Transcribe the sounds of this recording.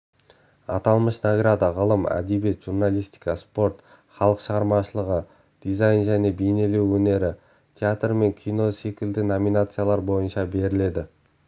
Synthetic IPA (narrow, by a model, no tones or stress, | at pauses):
ɑt̪ɑlˠməʃnaɡrad̪aʁəlˠəmæ̰d̪ebet̪ʒ̥urnalʲˠist̪i̥kaspo̞rt̪ | χɑlˠəqʃəʁɑɾmɑʃəlˠəʁə | d̪̥izajnʒæne̞bejne̞le̞wːɵne̞ɾɪ | t̪ʲʰeat̪rme̞ŋkʲʰijno̞se̞kʲɪld̪ɪno̞minat̪sɨjalˠɑɾbo̞jənʃɑbe̞ɾɪle̞d̪ɪ